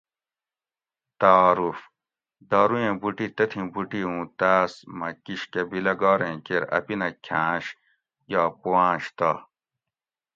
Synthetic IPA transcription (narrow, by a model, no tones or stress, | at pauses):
t̪aɾuf | d̪aːɾujẽːbuʈit̪ɐt̪ʰĩbuʈiũːt̪aːsmɐkiɕkebilɐɡaːɾẽːkeɾɐ̰pinɐkʰãːɕ | jaːpowãːɕt̪a